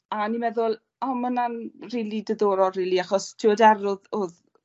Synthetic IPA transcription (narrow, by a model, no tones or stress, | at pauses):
animɛðʊlˠ | ɔmənanriːlˠidəðoːɾɔriːlˠiaχɔstʰɪwɔdɛɾʊðʊð